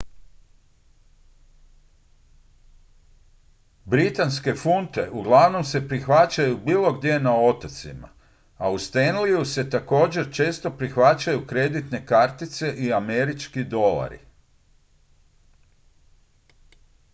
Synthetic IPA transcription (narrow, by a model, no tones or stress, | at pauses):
bɾit̪anske̞funt̪e̞ʔuɡlˠaʋno̞mse̞pɾixʋat͡ɕajubiːlˠo̞ɡd̪ʲje̞nao̞t̪at̪sḭma̰ | aust̪enlijuse̞t̪ako̞ːd͡ʑe̞ɾt͡ʃe̞ːst̪o̞pɾixʋat͡ɕajukɾe̞d̪it̪ne̞kaɾt̪it̪se̞ʔiame̞ɾit͡ʃkid̪o̞la̰ɾḭ